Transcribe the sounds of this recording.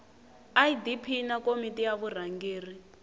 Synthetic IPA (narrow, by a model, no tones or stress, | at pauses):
aidipʰinakomitʼijaβur̤aŋɡeːri